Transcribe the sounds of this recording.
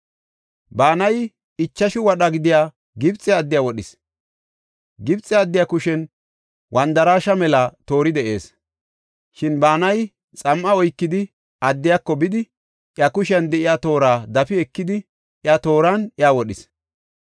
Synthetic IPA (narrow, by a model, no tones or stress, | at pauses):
baːnɐj | ɪt͡ʃːɐʃɪwɐɗɐɡɪd̪ɪjaː | ɡɪbt͡sʼːɛɐd̪ːɪjaːwɔɗɪs | ɡɪbt͡sʼːɛɐd̪ːɪjaːkʊʃɛn | wʔɐnd̪ɐɾaːʃɐmɛlɐt̪o̞ːɾɪd̪ɛʔe̞̰ːs | ʃɪnbaːnɐj | t͡sʼɐmʔɐɔjkːɪd̪ɪ | ʔɐd̪ːɪjakːɔbɪd̪ɪ | ʔjɐkʊʃɐnd̪ɛʔɪjaːt̪o̞ːɾaːd̪ɐfɪɛkːɪd̪ɪ | ʔjat̪o̞ːɾaːnɪaːwɔɗɪs